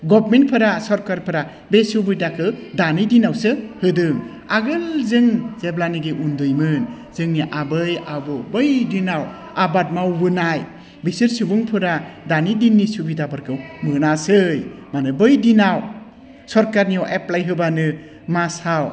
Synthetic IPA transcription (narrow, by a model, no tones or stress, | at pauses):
ɡɔbmenpʰɯɾasɔɾkaɾpʰɯɾa | besubɯjdakʰɯdanijdinawsɯhɯdɯŋ | aɡɯlzɯŋzeblanɯɡeʔundɯjmɯn | zɯŋniʔabɯjabɔbɯjdinaw | abat̚mawːɯnaj | bisiɾsɯbɯŋpʰɯɾadanidinːisubidabaɾkʰɯwmɯnasɯjmanɯbɯjdinaw | sɔɾkaɾnijawʔeplajɦɯbanɯ | masaw